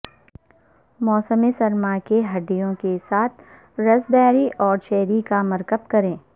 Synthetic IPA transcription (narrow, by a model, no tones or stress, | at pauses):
mɔːsəmesɐɾmakeɦɐɖijõkesaːt̪̚ʰ | ɾɐsbɛːɾiʔɔːɾt͡ʃɛːɾikamɐɾkəp̚kɐɾẽː